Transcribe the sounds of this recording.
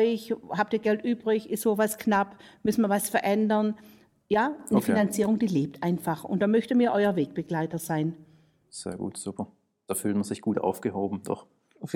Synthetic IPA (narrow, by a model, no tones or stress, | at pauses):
ʏçhaːp̚tiːɐɡɛltʔyːbʁɪçɪstz̥oːvasknapmʏsn̩miɐvasfɛɐʔɛndɐn | jaːnəfinant͡siːʁʊŋd̥iːleːp̚tʔaɪnfaχʊ̰nt̚d̥aːmœçtəmiːɐʔɔʏɐveːk̚b̥əɡ̥laɪtɐzaɪn | z̥ḛːɐɡṵːtz̥upʰɐ | d̥aːfyːltmɐz̥ɪçɡ̥uːtʔa̰ʊfɡ̥əhoːbm̩d̥ɔ̰χ